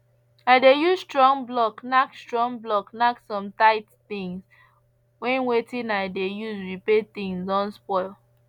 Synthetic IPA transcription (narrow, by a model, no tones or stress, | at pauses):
aɪdejuzstɹɔ̃ŋblɔknakstɹɔ̃ŋblɔknaksɔ̃mtaɪtθĩŋs | wɛ̃nwetĩnaɪdejuzwipeθĩŋsɔ̃nspɔɪl